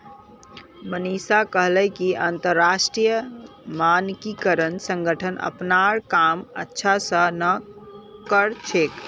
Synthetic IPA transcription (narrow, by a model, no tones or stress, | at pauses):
mənisakəɦlɛkiʔant̪əɾːasʈɾijə | mankikəɾənsə̃ŋɡʱəʈʰənʔə̰pnaɾkamə̰tːʃʰasə̃nə | kəɾt͡ʃʰek